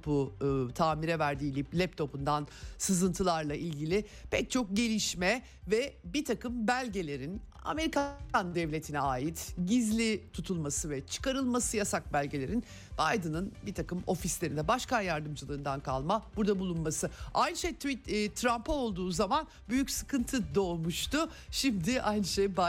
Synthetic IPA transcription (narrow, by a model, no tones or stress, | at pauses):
put̪ʰaːmiɾɛvæɾd̪iːlʲiplʲɛp̚t̪ʰo̞pund̪ansɯzɯnt̪ʰɯlˠaɾlˠaʔilʲɟilʲɪ | pʰɛc̚t͡ʃʰo̞k̚ɟe̞lʲiʃmɛ | vɛbit̪ʰakɯmbælʲɟe̞lʲe̞ɾin | a̰me̞ɾikand̪ɛvlʲe̞t̪ʰinɛaːjit̪ɟizlʲit̪ʰut̪ʰulˠmasɯvɛt͡ʃʰɯ̥kaɾɯlˠmasɯjasak̚bælʲɟe̞lʲe̞ɾin | b̥ajd̪ɯnɯnbit̪ʰakɯmo̞fislʲe̞ɾind̪ɛbaʃkanjaɾd̪ɯmd͡ʒɯlˠɯːnd̪ankʰa̰lˠmab̥uɾd̪abulˠunmasɯajnɯʃejt̪itːt̪ʰːɾampʰao̞lˠd̪uːzaman | byjycsɯ̥kʰɯnt̪ʰɯd̪o̞ːlˠmuʃt̪ʊ | ʃimd̪ɪʔajnɯʃejba